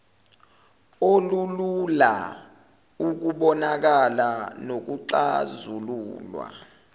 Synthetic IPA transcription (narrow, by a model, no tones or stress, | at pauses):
olulula̰ | uk̬uɓɔnak̬alanok̬uǀazuluːlwa̰